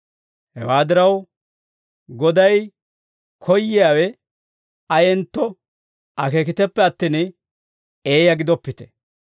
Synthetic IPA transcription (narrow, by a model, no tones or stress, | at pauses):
hɛ̰waːd̪ɪɾɐw | ɡɔd̪ɐj | kʰɔjːɪjaːwɛ | ɐjɛnt̪ːɔ | ʔɐke̞ːkɪt̪ɛpːɛɐt̪ːiːn | e̞ːjɐɡɪd̪ɔpːɪt̪ɛ̥